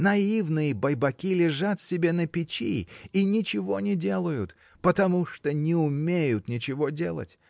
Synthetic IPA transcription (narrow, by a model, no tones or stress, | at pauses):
nɐivnɨjəbɐjbɐkʲilʲɪʐat̪sʲɪbʲe̞nəpʲɪt͡ɕḭinʲɪt͡ɕɪvo̞nʲɪdʲe̞lˠəjʊt̪ | pət̪ɐmuʂt̪onʲɪʊmʲejʊt̪nʲɪt͡ɕɪvodʲelˠə̰tʲ